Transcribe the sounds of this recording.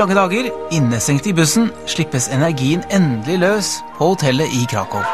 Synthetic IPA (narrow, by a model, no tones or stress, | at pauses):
ɑŋːəd̪ɑːɡəɾɪnːəsɛŋt̪ɪbʉsn̩ʂɭɪpːəsɛnæɾɡiːənɛnd̪lɪløːspʰɔhʊt̪ʰɛləʔɪkʰɾɑ̰ːkɔ̰ʋ